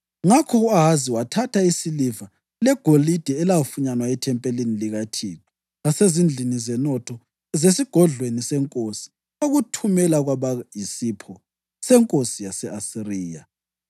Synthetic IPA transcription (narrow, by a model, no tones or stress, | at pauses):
ŋakʰɔɣuaɦaziwatʰatʰaisiliva | lɛɡ̥ʱolid̥ʱɛɛlaufuɲanwaɛtʰɛmpʼeliniliɣatʰitʰɔ̥ | ɣasezind͡ɮʱinizɛnɔtʰɔ | ɛzesiɡ̥ʱɔɮwenisɛŋkʼosi̥ | oɣutʰumɛlaɣwaβaisipʰɔ | sɛŋkʼosijasɛʔasiriːja̰